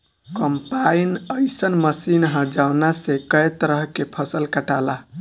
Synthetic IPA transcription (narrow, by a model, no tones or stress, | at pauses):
kəmpainəɪsənməsinɦə̃d͡ʒawnasekəjt̪əɾəɦkepʰəsəlkəʈala